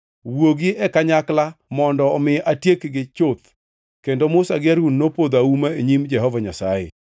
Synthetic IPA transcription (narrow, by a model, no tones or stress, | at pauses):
woɡiɛkaɲaklamɔndɔɔmɪʔatjekɡɪt͡ʃot̪ | kendomʊsaɡɪaɾunːopod̪aumaeɲimd͡ʒɛɦɔvaɲasajɛ̰